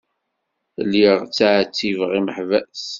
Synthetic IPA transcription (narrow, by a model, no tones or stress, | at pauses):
liʁt͡sːaʕt͡sːivʁiməħvæs